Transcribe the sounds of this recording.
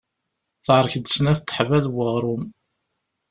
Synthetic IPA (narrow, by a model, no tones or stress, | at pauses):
θʕɾˤçəd̪əsnæθt̪ːə̥ħvæðwəʁɾˤʊm